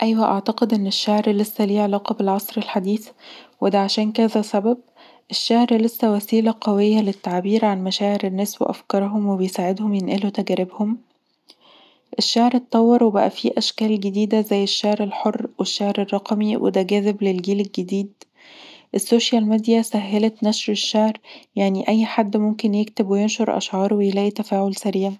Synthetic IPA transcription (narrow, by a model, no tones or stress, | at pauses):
ʔæjwæʔɑʕt̪ɑqed̪ʔenːeʃːaʕɾlesːæliːʕelɑːqɑbelʕɑsˤɾelħad̪iːθwed̪æʕaʃæːnkæzæsæbæb̚ | ʔeʃːaʕɾlesːæwæsiːlæqæwejːælet̪ːaʕbiːɾʕanmæʃæːʕeɾenːæːswḛʔæ̰fkɑɾˤɦomwebejsaːʕed̪homjenʔælut̪æɡæɾɪbhom | ʔeʃːaʕɾet̪ˤːɑwːɑɾˤwebæʔæ̰fiʔæʃkæːlɡed̪iːd̪æzæjːeʃːaʕɾelħorːweʃːaʕɾerˤːɑqmiwʔḛd̪æɡæːzeblelɡiːlelɡed̪iːd̪ | ʔesːoːʃjælmed̪ijæsæɦːælet̪næʃɾeʃːaʕɾjaʕniʔæjːħad̪ːmomkenjekt̪ebwejenʃoɾʔɑ̰ʃʕɑːɾˤwejelæːʔit̪æfæːʕolsæɾiːʕæ